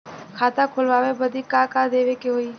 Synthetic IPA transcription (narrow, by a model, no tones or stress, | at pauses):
kʰaːt̪akʰʊlʋaːʋebəd̪ʱikaːkad̪eːʋekeɦoːiː